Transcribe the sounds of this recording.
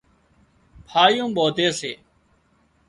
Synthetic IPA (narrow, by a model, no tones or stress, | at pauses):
pʰaːjũːɓoːd̪eːseː